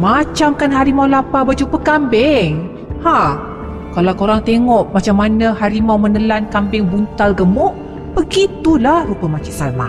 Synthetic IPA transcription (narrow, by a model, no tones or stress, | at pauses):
mat͡ʃamkanɦaɾimawlapabad͡ʒupəkambɪŋ | ha | kalawkoɾaŋt̪eŋɔʔmat͡ʃamːanəhaɾimawmənəlankambɪŋbunt̪alɡəmʊʔ | b̥əɡit̪ulahrupəmat͡ʃɪʔsala̰